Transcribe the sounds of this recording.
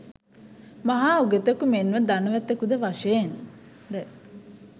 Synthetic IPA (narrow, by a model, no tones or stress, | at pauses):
maɦaːuɡet̪əkumenʋəd̪anəʋæt̪ːəkud̪əʋaʂen | d̪e